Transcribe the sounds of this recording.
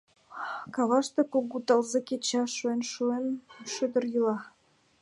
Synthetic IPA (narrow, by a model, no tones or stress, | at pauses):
kɑβɑʃt̪ĕkoɡut̪ɑlzekʲet͡ɕɑʃuenʃuenʃød̪ə̆rjylɑ